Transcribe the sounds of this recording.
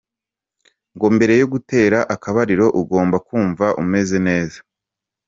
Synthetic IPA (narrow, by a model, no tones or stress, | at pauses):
ŋɡo̞mbe̞ɾe̞joɡute̞ːɾaʔakaβaɾiɾo̞ʔuɡo̞ːmbakuːɱvaʔṵme̞ze̞ne̞ːzḁ